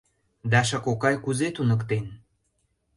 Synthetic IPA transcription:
d̪ɑʃ̬ə̆kokɑjkuzet̪unə̆kt̪en

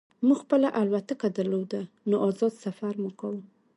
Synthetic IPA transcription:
muɡxpəlaʔalwat̪əkad̪əɾlod̪a | noʔɑzɑd̪safaɾmukawəm

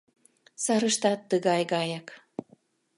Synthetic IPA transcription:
sɑɾəʃt̪ɑt̪ːəɣɑjɣɑjɑk

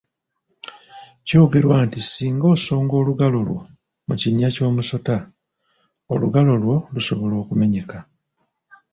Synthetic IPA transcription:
co̞ːɡe̞ɾwaːntisiːŋɡo̞ːso̞ːŋɡo̞ːluɡalo̞lwo̞̰ | muciɲːaco̞ːmuso̞ta | oluɡalo̞lwo̞luso̞βo̞lo̞ːkume̞ɲe̞ka

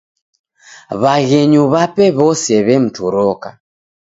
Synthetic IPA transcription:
βaɣɛɲuβapɛβɔsɛβɛm̩tuɾɔka

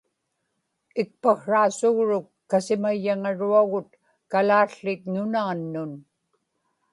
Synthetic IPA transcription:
ɪk̚paxɻaːsʊɣɻʊkːasɪmajːaŋaɻuaɣʊt̪ | kalaːɬːɪt̪nʊnaːnːʊn

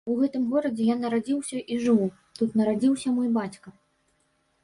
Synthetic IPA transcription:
uɣɛt̪ɨmɣɔɾɐd͡zʲɛjanːɐɾad͡zʲiwsʲɐʔiʐɨu | t̪ut̪nɐɾad͡zʲiwsʲɐmɔjbat͡sʲkɐ

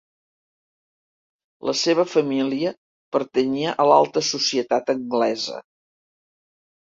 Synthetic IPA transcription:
ləseβəfəmiliə | pəɾt̪əɲiəʔəlalˠt̪əsusiət̪at̪əŋɡlɛzə̰

